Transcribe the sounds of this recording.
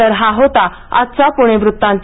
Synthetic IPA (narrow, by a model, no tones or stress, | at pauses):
əɾɦaɦot̪a | a̰t̪t͡sapuɽ̃eʋɾut̪ːãnt̪